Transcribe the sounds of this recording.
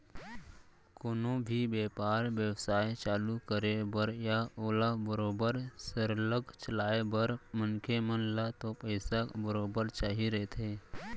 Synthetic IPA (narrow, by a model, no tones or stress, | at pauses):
koːnobʱibeːpaːɾʋjəwsaːjt͡ʃaːlukəɾebəɾjaoːlabəɾoːbəɾsəɾləɡt͡ʃəlaːebəɾmənkʰemənlat̪opəɪsabəɾoːbəɾt͡ʃaːɦiɾəɦet̪ʰɦeː